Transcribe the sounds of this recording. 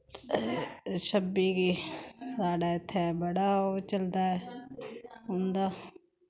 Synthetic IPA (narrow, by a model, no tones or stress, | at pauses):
ʃəbiːkiːsaːɖaːɪt̪ʰːeɛːbəɽaːot͡ʃəld̪aːɛ | ɦʊ̃nd̪aː